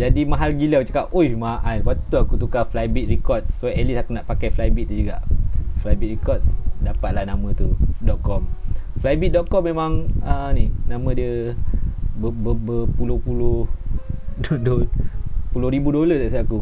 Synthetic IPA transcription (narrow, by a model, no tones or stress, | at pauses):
d͡ʒadimaɦalɡilət͡ʃəkaʔ̚oimaʔajwat̪uakut̪ukaflajbit̪̚rikɔt̪̚ssoɛlisakunaʔpakajflajbit̪̚ːud͡ʒuɡaʔflajbit̪̚rikɔt̪̚sdapat̪̚lahnamə̃t̪udɔʔ̚kɔmflajbit̪̚dɔʔ̪̚kɔmːemãŋəninamə̃diə | bəbəbəpulohpulo | dondonpulʊhɾibudolət̪aʔsaaku